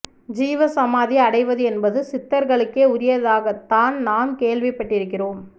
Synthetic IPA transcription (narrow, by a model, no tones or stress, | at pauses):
d͡ʒiːʋɐsɐmaːðiɐɽɐɪʋɐðɯɛnbɐðɯsɪt̪ːɐɾɣɐɭɯkːeːʊɾɪjɐðaːɣɐt̪ːaːnnaːmkeːɭʋɪpːɐʈːɪɾɯkːɪroːm